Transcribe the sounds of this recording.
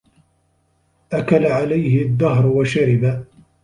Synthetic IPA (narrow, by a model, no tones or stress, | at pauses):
ʔakalaʕalajhɪðːaɦɾwaʃaɾɪba